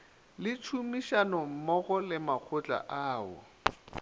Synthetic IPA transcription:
lɪt͡ʃʰumiʃanɔm̩mɔɣɔlɪmak͡xʰʊt͡ɬʼa̰ʔaːʊ̰

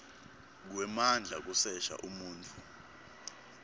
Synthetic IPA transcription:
k̬wɛmand͡ɮʱa̰k̬ʼusɛʃa̰ʔumuːntʰʼu

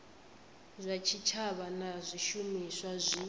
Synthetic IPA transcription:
zʷat͡ʃʰit͡ʃʰaβanazʷiʃumiswazʷi

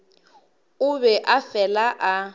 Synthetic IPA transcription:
ʊβɛʔafɛlaʔa

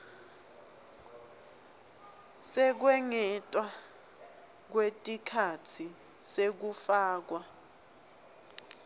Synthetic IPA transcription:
sɛk̬wɛŋɛtʼwa | k̬wetʼikʰatʰi | sek̬ufaːk̬wa

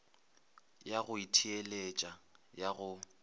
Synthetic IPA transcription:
jaɣʊitʰielet͡ʃʼajaɣʊ

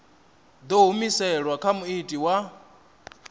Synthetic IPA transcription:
d̪oɦumisɛɺwakʰamuitʼiwa

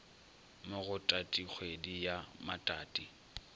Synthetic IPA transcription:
mɪɣʊtʼatʼik͡xʰwedijamatʼaːtʼi

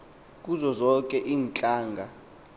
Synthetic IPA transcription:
k̬ʼuzɔzɔkʼɛʔiːnt͡ɬʼaːŋɡʱa

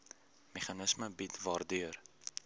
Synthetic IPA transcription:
meχɐnəsməbitvɑrdyər

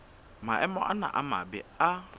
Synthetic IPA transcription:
maʔɛmɔʔana̰ʔama̰bɛa

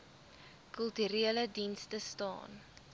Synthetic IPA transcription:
kœlˠtyɾiələdinstəstɑ̰ːn

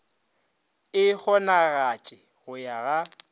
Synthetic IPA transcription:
ɪk͡xɔnaɣat͡ʃʼɪ | ɣʊjaɣa

